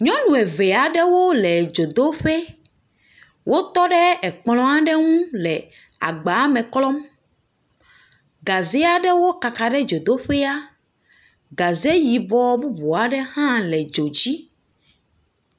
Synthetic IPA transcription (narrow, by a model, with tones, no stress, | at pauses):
ɲɔ̃˦nũ˨ɛ˨ve˨a˨ɖɛ˦wo˦lɛ˨d͡ʒo˨d̪o˦ɸe˦ | wʔo˦t̪ɔ˦ɖɛ˦ɛ˨k͡plɔ̃˦a˦ɖɛ˦ŋũ˦lɛ˨ | a̰˨ɡ͡ba˨˦mɛ̃˨klɔ˦m | ɡa˨ze˦a˦ɖɛ˦wo˦ka˨ka˨ɖɛ˦d͡ʒo˨d̪o˦ɸe˦a˦ | ɡa˨ze˦ji˨bɔ˦bu˦bu˨a˨ɖɛ˦hã˦lɛ˨d͡ʒo˨d͡ʑi˦